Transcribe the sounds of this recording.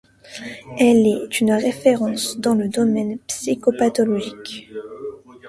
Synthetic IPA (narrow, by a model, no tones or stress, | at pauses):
ɛlɛt̪ynʁefeʁɑ̃sd̪ɑ̃ləd̪ɔmɛnpsikopat̪ɔlɔʒik